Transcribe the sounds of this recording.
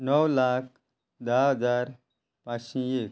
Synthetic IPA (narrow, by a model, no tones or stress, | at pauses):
nəwlak̚ʰ | d̪aɦəd͡zaɾ | paɕĩek